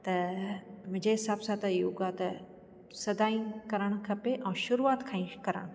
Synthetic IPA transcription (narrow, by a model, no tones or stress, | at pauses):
t̪ɐ | mʊ̃ɦɲd͡ʑeɦɪsaːbsat̪ɪjuɡat̪ɐ | sɐd̪aːĩkɐɾəɽ̃kʰɐpeʔɛ̃ːʃʊɾuaːt̪kʰaːĩkɐɾə̰ɽ̃